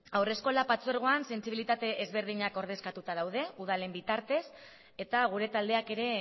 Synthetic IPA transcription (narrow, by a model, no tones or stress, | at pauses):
awre̞sko̞lapat͡soeɾɣ̞oanse̞nsiβilit̪at̪e̞ʔezβe̞ɾð̞iɲako̞ɾð̞e̞skat̪ut̪aðawðe̞uð̞ale̞mbit̪aɾt̪e̞s | e̞t̪aɣ̞uɾe̞t̪ald̪e̞ake̞ɾe̞